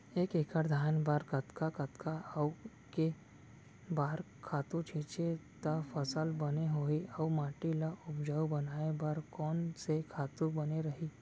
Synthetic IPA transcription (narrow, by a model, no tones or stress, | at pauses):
eːkekʰəɾd̪ʱaːnbaːɾkət̪kakɐt̪kʰaɐ | ke | baːɾ | kʰaːt̪ũt͡ʃʰeːt͡ʃet̪ɐfəsəlbɐneɦoːiɔʋmaːʈilaʊpd͡ʒaubɐnaːebaːɾkɔːnsekʰaːt̪ubɐneɾɐɦi